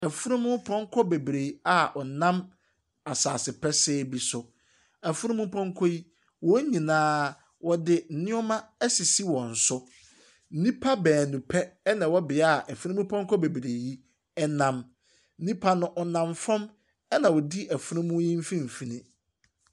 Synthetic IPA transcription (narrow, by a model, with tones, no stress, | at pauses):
æ˨fu˦ɾũ˦mʊ̃˦pʰɔ̃˦ŋ˦kʰɔ˦be˨bɾe˨˦a˨ʔɔ˨nã˦m | a˨saː˨sɪ˨pʰɛ˦sɛː˦bi˨sʊ˨ | æ˨fu˦ɾũ˦mũ˦pʰɔ̃˦ŋkʰɔ˦ji˦ | wɔ˦ɲĩ˨nãː˦ | wɔ˨dɪ˦n̩˨nɪ̃˦ɔ˦mã˦ɛ˦si˨si˦wɔ̃˨n̩˨sʊ˦ | n̩˦nĩ˦pʰa˦bɛː˨nũ˨pʰɛ˦ɛ˦nã˨wɔ˦bɪ˨a˦˨ʔæ˨fũ˦ũ˦mũ˦pʰɔ̃˦ŋ˦kʰɔ˦be˨bɾe˨ji˦ | ɛ˦nã˦m | n̩˦nĩ˦pʰa˦nʊ̃˦ʔɔ˨nã˨mfɔ̃˦m | ɛ˦nã˨wɔ˨di˦ʔæ˨fu˦ɾũ˦mũ˦ji˦m̩˦fĩ˦m̩˨fi˨nĩ˦